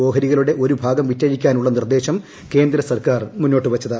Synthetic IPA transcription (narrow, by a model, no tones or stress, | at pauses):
o̞ːɦɐɾiɣɐluɽe̞ʔo̞ɾubʱaːɡɐmʋitːɐjikʲːaːnuɭːɐnird̪e̞ːɕɐm | ke̞ːnd̪ɾɐsɐrkaːrmunːo̞ːʈːɨʋɐt͡ɕːɐðɨ